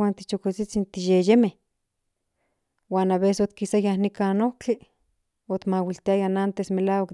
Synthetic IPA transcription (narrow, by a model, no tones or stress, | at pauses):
aːnt̪it͡ʃokit͡sit͡sint̪ijejemeh | waːnaβesot̪̚kisajahnikanohki | ot̪mawilt̪iajanant̪esmelaːwak